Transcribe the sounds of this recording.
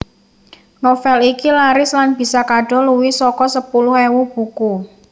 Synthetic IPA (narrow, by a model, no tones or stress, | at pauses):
nofɛlikilaɾɪslanb̥i̤sakaɖ̥ɔ̤luwisɔkɔsəpulʊhɛwub̥ṳku